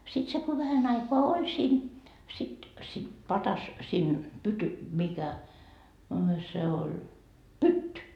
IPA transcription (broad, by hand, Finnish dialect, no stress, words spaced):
sit se ko ʋæhæn ɑikoɑ olʲ siːn sit sit pɑtɑs siːn pyty mikæ ɑ se olʲ pytːy